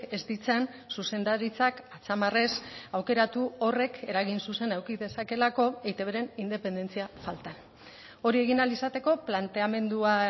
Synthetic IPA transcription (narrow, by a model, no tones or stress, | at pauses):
e̞zd̪it͡san | suse̞nd̪aɾit͡sakat͡samare̞sawke̞ɾat̪uo̞re̞kʰe̞ɾaɣ̞insuse̞nawkiðe̞sake̞lako̞ejt̪eβeɾe̞nind̪e̞pe̞nd̪e̞nt͡siafalt̪an | o̞ɾie̞ɣinalisat̪e̞ko̞plant̪e̞ame̞nd̪ua